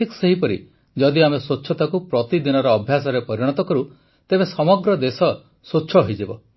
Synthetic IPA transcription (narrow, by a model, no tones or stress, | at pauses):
ʈʰikseɦipɔɾḭ | d͡ʒɔd̪iamesotːʃʰɔt̪akupɾɔt̪id̪inɔɾɔːbʱjasɔɾepɔɾiɽ̃ɔt̪ɔkɔɾu | t̪ebesɔmɔɡɾɔd̪esɔ | sotːʃʰɔɦɔɦid͡ʒibɔ̰